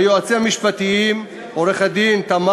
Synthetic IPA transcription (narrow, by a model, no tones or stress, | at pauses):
joat͡siamiʃpat̪iim | oɾeχad̪int̪ama